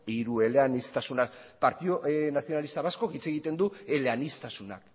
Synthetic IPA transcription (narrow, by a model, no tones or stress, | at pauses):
iɾue̞leanist̪asunapaɾt̪ionaθio̞nalist̪aβasko̞kit͡se̞ɣ̞it̪e̞nd̪ue̞leanist̪asuna̰k